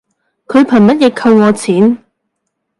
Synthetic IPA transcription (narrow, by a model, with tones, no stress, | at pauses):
kʰɵ˨˧ɥpʰɐ˨˩nmɐ˥t̚jɛː˨˧kʰɐ˧wŋɔː˨˧t͡sʰiː˨˥n